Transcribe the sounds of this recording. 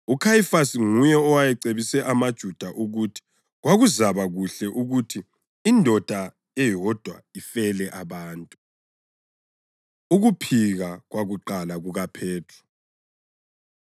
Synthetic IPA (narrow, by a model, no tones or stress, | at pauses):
ukʰajifasiŋujɛɔwajɛǀeβisɛʔamad̥ʒ̥ʱud̥ʱaʔuɣutʰi̥ | ɣwaɣuzaβaɣuɬɛʔuɣutʰiː | ndʱɔd̥ʱa | ɛjɔd̥ʱwa̰ifɛlɛʔaβaːntʼu | uɣupʰiɣaɣwaɣuǃalaɣuɣapʰɛːtʰu̥